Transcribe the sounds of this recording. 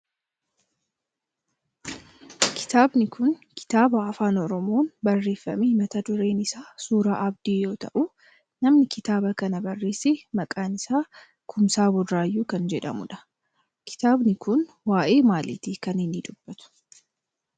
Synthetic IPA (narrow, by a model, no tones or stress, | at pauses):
kʰɪ̥t̪aːbnɪkʊnkʰɪ̥t̪aːbɐːfaːnɔɾɔmo̞ːnbɐrːe̞ːfːɐ̰mehɪmɐt̪ɐd̪ʊɾe̞ːnɪsaːsuːɾaːʔɐbd̪iːjo̞ːt̪ɐ̰ʔʊ | nɐmnɪkɪt̪aːbɐkɐnɐbɐrːe̞ːseːmɐkʼaːnɪsaː | kʰʊmsaːbʊdɾaːjːuːkɐnd͡ʒɛᶑɐ̰mʊ̰ᶑɐ̥ | kʰɪ̥t̪aːbnɪkʊn | waːʔe̞ːmaːlɪt̪ɪkɐnɪnːɪd̪ʊb̥ːɐt̪ʊ̥